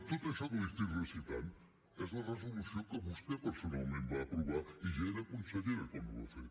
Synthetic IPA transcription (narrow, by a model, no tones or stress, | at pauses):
t̪ot̪aʃɔðəðest̪iɾresit̪an | ɛzlɐrəzulusjokəβust̪epəɾsunawmẽnbaːpɾuβaiʒaeɾakunseðeɾakɔmṵβa̰seɾ